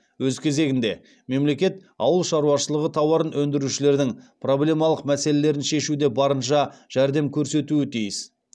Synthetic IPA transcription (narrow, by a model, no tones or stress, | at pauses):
wɵzkʲʰe̞ze̞ɡʲɪnd̪e̞̰ | me̞mle̞kʲe̞t̪ | ɑwəlˠʃɑɾuɑʃəlˠəʁət̪ʰɑwɑɾənwɵnd̪ɪɾuʃɪle̞ɾd̪ɪŋpro̞blʲe̞mɑlˠəqmæse̞le̞le̞ɾɪnʃe̞ʃud̪e̞bɑɾənʃɑʒ̥æɾd̪e̞mkʲʰɵɾse̞t̪uɪt̪ʰijɪs